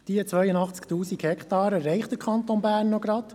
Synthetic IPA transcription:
d̥iət͡sʋœjənɑχt͡skt̪uːsikhɛkχt̪ɑːɾəɾɛɪχtd̪əɾkʰɑnt̪onbæːrnːɔɡɾɑt̪

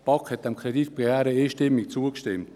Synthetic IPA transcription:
pɑkhɛt̚d̥ɛmkʰʁɛdit̪̚pʁɛɛːɾəeːʃtɪmik̚t͡suəkʃtɪmt

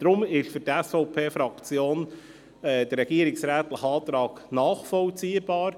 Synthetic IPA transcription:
d̥ɾʊmɪʃføɾtɛsfɔʊpʰeːfɾɑkt͡sjoːn | ɛːd̥̪ərːɛɡ̥iəɾɪksɾæːt̪ləχəɑːt̪ɾɑːɡnɑːχfɔlt͡siːəb̥ɑːɾ

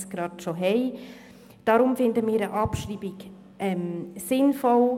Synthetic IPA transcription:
sɡ̥ɾɑːtʃoɦɛɪ | d̥ɑɾʊmfɪndəmiːɾəʔɑpʃriːbiɡ | ʔɛmsɪnfɔl

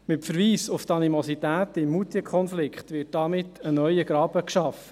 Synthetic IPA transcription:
mɪtfəɾʋiːsʊft̪ɑnimɔsit̪æːt̪ɪmːut̪iəkʰχɔnflɪkχt̪ʋɪt̚d̥ɑmɪtːənœʏəɡ̥ɾɑːbəkʃɑf

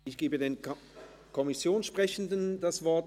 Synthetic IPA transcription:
ɪçɡ̥eːbədeːn | kʰɔmɪsjoːnʃpʁ̥ɛçn̩dənd̥asv̥ɔɐt

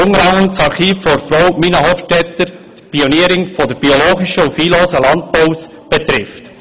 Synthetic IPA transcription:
ʊŋɾɑŋəntsɑɾχiːfːoɾfɾowminɑɦoftɛt̪ːəɾt̪pioniəɾɪŋfɔd̪əɾb̥ioloːɡiʃəufiːloːsəlɑnt̪̚poʊws | b̥ɛt̪ɾɪft̪

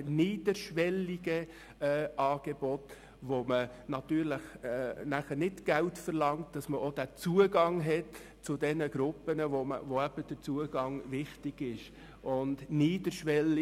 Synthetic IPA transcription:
niːd̥əɾʃʋɛliɡ̥ə | ɛʔɑːɡ̥ebɔt | ʋomənɑtyːɾləχɛnæχəɾnɪtɡ̥æltfəɾlɑŋt̚d̥ɑsməʔod̥æt͡suəɡɑŋɦɛt | t͡sʊdɛnəɡ̥ɾʊpənəvoə̰voæb̥əd̥əɾt͡suəɡ̥ɑŋʋɪχtɪɡ̥ɪʃ | ʔʊndniːd̥əɾʃʋɛl

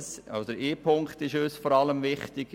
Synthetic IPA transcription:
sɑdəɾʔeːpʰʊŋktɪʃøːsfɔːɾɑləmvɪχtɪɡ

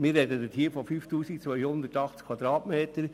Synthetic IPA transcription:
mɪːrːɛdədətʰiːfɔfyːftuːsikt͡sʋœʏhʊnd̪ətɑχt͡skʰʋɑd̪ɾɑːtmeːtəɾ

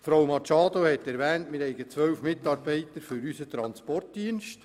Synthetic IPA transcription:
fɾowmɑt͡ʃɑːd̪ohɛtːɛɾʋɛːntmɪɾhɛɪɡət͡sʋœwfmɪtɑːɾbɛɪt̪əɾfʏɾysət̪ɾɑnspɔrt̚diənʃt

